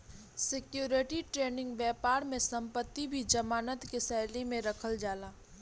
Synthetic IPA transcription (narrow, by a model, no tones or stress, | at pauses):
sɪkjuːɾɪʈiʈɾeːnɪ̃ŋɡʋɛːpaːɾmẽsɐ̃mpət̪ːibʱid͡ʒɐmaːnət̪kesɛːlemẽɾɐkʰəld͡ʒaːlaː